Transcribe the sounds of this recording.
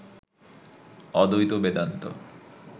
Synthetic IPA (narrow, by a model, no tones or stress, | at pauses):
ɔd̪ojt̪obed̪ant̪o̰